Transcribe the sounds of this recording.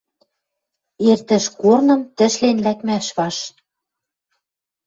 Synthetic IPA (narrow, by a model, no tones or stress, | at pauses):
ert̪ɘ̆ʃkornɤ̆mt̪ɘ̆ʃlenlækmæʃβɑʃ